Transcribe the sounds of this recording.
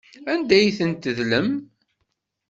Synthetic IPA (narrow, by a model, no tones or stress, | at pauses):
ænd̪æjθənt̪əðləm